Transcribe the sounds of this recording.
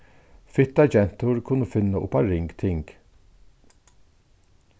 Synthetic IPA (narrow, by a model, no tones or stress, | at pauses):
fɪt̪ɑd͡ʒɛnt̪ʊɹkʰʊnːəfʏnəʔʊ̰pɑɾɪŋɡt̪ʰɪŋɡ̥